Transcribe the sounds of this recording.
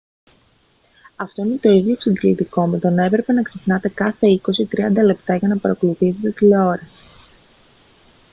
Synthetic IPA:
ɐft̪o̞ine̞t̪o̞iðʝo̞eksind̪ilit̪iko̞me̞t̪o̞nɐe̞pɾe̞pe̞nɐksepnɐt̪e̞kɐθe̞iko̞sit̪ɾiɐnd̪ɐle̞pt̪ɐʝɐnɐpɐɾɐkolupize̞t̪e̞t̪ileo̞ɾɐs

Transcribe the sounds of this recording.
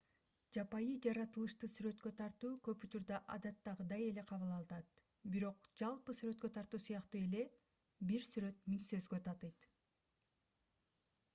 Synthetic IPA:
d͡ʒɑpɑjɯd͡ʒɑɾɑt̪ɯlˠɯʃt̪ɯsyɾø̞t̪kø̞t̪ʰɑɾt̪uːkø̞put͡ʃuɾd̪ɑʔɑ̰d̪ɑt̪ːɑʁɯd̪ɑje̞le̞qʰɑβɯlˠɑlˠɯnɑt̪ | biɾo̞q̚d͡ʒɑlˠpɯsyɾø̞t̪̚kø̞t̪ʰɑɾt̪uːsujɑqt̪uːe̞le̞ | biɾsyɾø̞t̪miŋsø̞zɡø̞t̪ʰɑt̪ɯjt̪

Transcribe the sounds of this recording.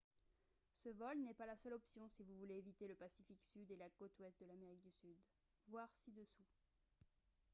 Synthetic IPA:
səvɔlnɛpalasœlɔpsjɔ̃sivuvuleːvit̪eləpasifiksyd̪elakot̪wɛst̪̚d̪əlameʁik̚d̪ysyd̪ | vwaʁsid̪əsu

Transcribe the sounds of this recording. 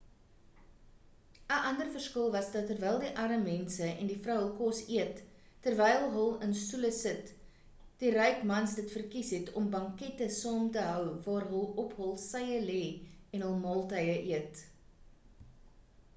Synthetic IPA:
əʔɐndərfərskəlˠvɐsdɐtːərvɛjlˠdiʔɐɾəmɛnsəɛ̰ndifrəwɦəlˠkɔsiətː | ərvɛjlˠɦəlˠənstuləsət | d̥iɾɛjkmɐnsdətfərkisɦɛtʰɔmbɐŋkɛtəsɑːmtəɦœwvɑːrɦəlˠɔpɦəlˠsɐjəlɛːɛnɦəlˠmɑːlˠtəjəʔiət

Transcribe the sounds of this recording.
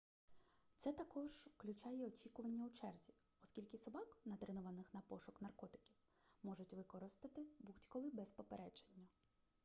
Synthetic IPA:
t̪sɛt̪ɐkɔʒwklʲʊt͡ʃɑjɛɔt͡ʃʲikʊʋɐnʲːɐwt͡ʃɛrzʲi | ɔskʲilʲkɪsɔbɑknɐd̪ɾɪnʊʋɐnɪxnɐpɔʃʊknɐrkɔt̪ɪ̥kʲiw | mɔʒʊtʲʋɪkɔɾɪst̪ɐt̪ɪbutʲkɔlˠɪbɛspɔpeɾɛd͡ʒenʲːɐ

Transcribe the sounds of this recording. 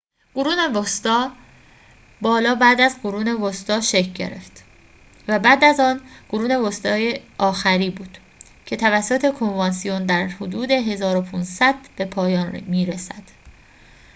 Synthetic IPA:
ɡ̥oɾuːnevost̪ɒː | bɒːlɒːbæːd̪æzɡoɾuːne̞vost̪ɒːʃe̞cʰɟe̞̰ɾe̞̰ft̪ | væbæːd̪æzɒːnɡ̥oɾuːne̞vost̪ɒːjeʔɒːxæɾiːbuːd̪̥ | cʰe̞t̪ʰævæsːot̪ʰe̞kʰo̞nvɒnsijond̪æɾhod̪uːd̪e̞ɦe̞zɒːɾopʰunsæd̪̥b̥e̞pʰɒːjɒːnmiːɾesæd̪̥

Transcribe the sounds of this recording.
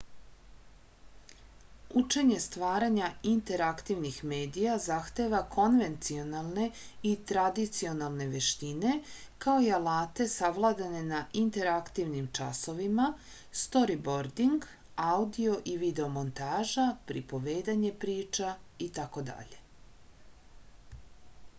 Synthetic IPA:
ut͡ʃe̞ɲe̞st̪ʋaːɾaɲaint̪e̞ɾakt̪iʋnixme̞ːd̪ijazaxt̪e̞ʋakʰo̞nʋe̞nt̪sio̞nalˠne̞it̪ɾad̪it̪sio̞nalˠne̞ʋe̞ʃt̪ine̞kao̞ialaːt̪e̞saʋlˠad̪ane̞naʔint̪e̞ɾakt̪iʋnimt͡ʃa̰so̞ʋima | st̪o̞ɾibo̞ɾd̪iŋɡ | aud̪io̞ʔiʋid̪e̞omo̞nt̪aːʒapɾipo̞ʋe̞ːd̪aɲe̞pɾiːt͡ʃait̪ako̞d̪a̰ʎe̞

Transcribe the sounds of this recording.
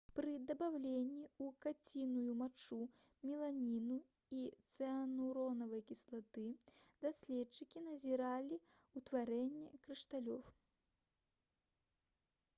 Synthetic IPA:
pɾɨd̪ɐbawlʲenʲːiukat͡sʲinujumat͡ʂu | mʲilˠanʲinu | it̪sɛanuɾɔnɐvɐjkʲislˠat̪ɨd̪asʲlʲɛt͡ʂɨkʲin̪ɐzʲiɾalʲi | ut̪vaɾɛnʲːɛkɾɨʂt̪alʲɔw

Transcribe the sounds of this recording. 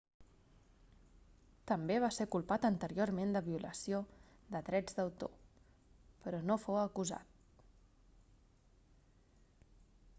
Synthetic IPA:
t̪əmbeβ̞asekulˠpat̪ənt̪əɾioɾmend̪əβiulə̰sio | ðəðɾɛd͡zd̪əwt̪o̰ | pəɾɔnofowəkuza̰t̪̚

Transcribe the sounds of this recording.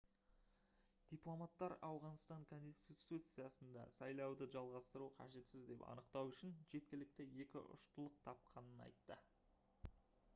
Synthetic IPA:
d̪̥ijplˠo̞mɑt̪ːɑɾɑwʁɑnst̪ɑŋkʰo̞nst̪it̪ut̪sɨjɑsənd̪ɑ̰sɑjlˠɑwd̪əʒɑlˠʁɑst̪əɾuqʰɑ̰ʒe̞t̪sɪzd̪e̞pɑ̰nəqt̪ɑwʏʃɪnʒe̞t̪̚kʲɪlɪk̚t̪ɪje̞kʲɪ̰ʔʊ̰ʃt̪əlˠəq̚t̪ʰɑp̚qʰɑnənɑ̰jt̪ːə

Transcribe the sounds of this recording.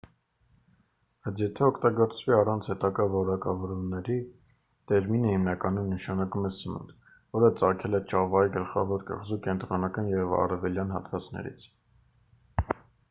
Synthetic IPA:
b̥ɑt͡sʰjɛt̪ʰɛɔkʰt̪ɑɡɔɾt͡sʰviɑrɑnt͡sʰhɛt̪ɑɡɑvɔɾɑkɑvɔɾumnɛɾi | t̪ɛɾminəhimnɑkɑnumnəʃɑnɑkumɛsəmṵnt̪ | vɔɾət͡sɑkʰɛlɛt͡ʃʰɑvɑiɡəlχɑ̰vɔɾkə̰ʁzukɛnt̪ɾɔnɑkɑnjɛvɑ̰rɛvɛljɑnɦɑ̰t̪vɑt͡snɛ̰ɾḭt͡sʰ

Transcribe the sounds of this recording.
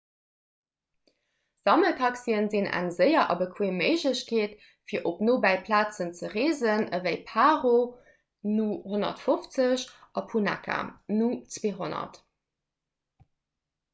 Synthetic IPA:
z̥ɑməkʰɑksiənzinæ̰ŋzəɪɐʔɑbəkʰweːməɪʑləɕkʰeːt | fiːɐʔopnoːbæɪpʰlaːt͡sənt͡səʁeːzənəvəɪpʰaːʁo | nuhonɐ̰tfoft͡səɕʔɑpʰuna̰kʰa̰nut͡sweːɦonɐ̰t

